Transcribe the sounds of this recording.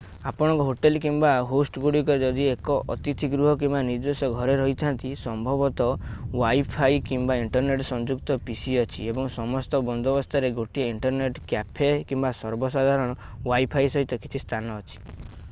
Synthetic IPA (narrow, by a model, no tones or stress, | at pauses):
apɔɽ̃ɔ̃ŋkɔɦoʈelkimbaɦosʈɡuɽikɔɾed͡ʒɔd̪iekɔʔɔ̰t̪it̪ʰiɡɾuɦɔkimbanid͡ʒ̪osɔɡʱɔɾeɾɔɦit͡ʃ̪ʰant̪isɔmbʱɔbɔt̪ɔwajpʰajkimbaiɳʈɔɾneʈsɔnd͡ʒukt̪ɔpisiɔt͡ʃʰḭebɔŋsɔmɔst̪ɔbɔnd̪ʱɔbɔst̪ʰaɾeɡoʈieiɳʈɔɾneʈkjapʰekimbasɔɾbɔsad̪ʱaɾɔɽ̃ɔ | wajpʰajsɔɦit̪ɔkit͡ʃʰist̪ʰanɔːt͡ʃʰi̥